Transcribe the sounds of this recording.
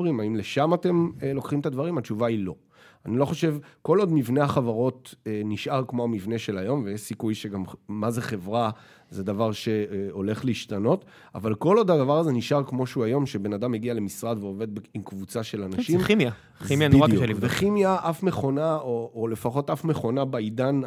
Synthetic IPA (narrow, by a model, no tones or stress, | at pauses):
ʁimaimle̞ʃamate̞mlo̞kχimt̪advaʁimat͡ʃuvailo̞ | anilo̞χo̞ʃe̞vko̞lo̞d̪mivne̞aχavaʁo̞teniʃʔaʁkmo̞amivne̞ʃe̞lajo̞mvejeʃsikujʃeɡamːaze̞χe̞vʁa | zed̪avaʁʃe̞o̞le̞χliiʃtano̞t | a̰valko̞lo̞d̪hadavaʁaze̞niʃʔaʁkmo̞ʃeuajo̞mʃebe̞nad̪amheɡiale̞misʁad̪veove̞d̪beimkvut͡saʃe̞lanaʃimmja | imjanalveχimjaʔafme̞χo̞naoːle̞faχo̞t̪ʔafme̞χo̞nabaidan